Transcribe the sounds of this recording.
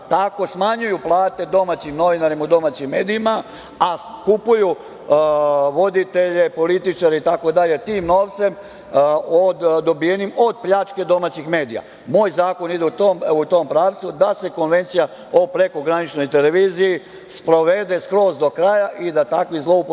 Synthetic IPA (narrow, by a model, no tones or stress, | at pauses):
t̪ako̞smaɲujuplˠaːt̪e̞d̪o̞mat͡ɕimno̞ʋinaɾimaud̪o̞maːt͡ɕimːe̞ːd̪iima | akupuju | ʋo̞d̪it̪e̞ʎe̞po̞lit̪it͡ʃaɾeit̪ako̞d̪aʎe̞t̪iːmno̞ːʋt̪se̞m | od̪ːo̞bijenimo̞d̪̚pʎat͡ʃke̞d̪o̞maːt͡ɕixme̞ːd̪ija̰ | moːjzaːko̞nid̪eut̪omut̪o̞ːmpɾaːʋt̪sud̪ase̞ko̞nʋe̞nt̪sija | opɾe̞ko̞ɡɾanit͡ʃno̞jt̪e̞le̞ʋiːziji | spɾo̞ʋe̞d̪e̞skɾo̞ːzd̪o̞kɾaːjaʔid̪at̪akʋizlˠo̞up